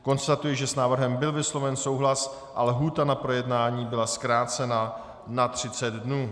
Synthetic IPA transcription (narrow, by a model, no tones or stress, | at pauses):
ko̞nst̪at̪ujɛʒɛsnaːvr̩ɦɛmbɪlvɪslo̞vɛnso̞wɦlas | ʔalɦuːt̪anapɾo̞jɛdnaːɲiːbɪlaskɾaːt͡sɛna | nat̪r̝̥ɪt͡sɛd̪dnuː